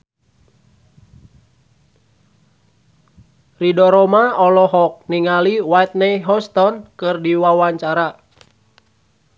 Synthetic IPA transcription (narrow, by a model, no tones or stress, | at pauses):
ridɔɾɔmaɔlɔɦɔk̚niŋaliwat̪̚nɛjɦɔst̪ɔnkɨrdiwawaɲt͡ʃaɾa